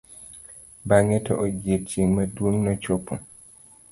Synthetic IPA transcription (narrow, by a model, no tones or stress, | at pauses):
baŋɛtɔʔoɡet̚t͡ʃeŋmadwoŋnɔt͡ʃopo